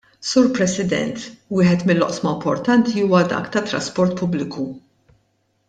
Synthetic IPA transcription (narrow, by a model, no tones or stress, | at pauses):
suːɾpɾɛsɪd̪ɛ̰nt̪wɪːħɛt̪mɪlːɔ̰ʔsmɐmpɔɾt̪ɐnt̪ʰiuːwɐd̪ɐ̰kt̪ɐt̪ːɾɐ̰spɔɾt̪pʊblɪku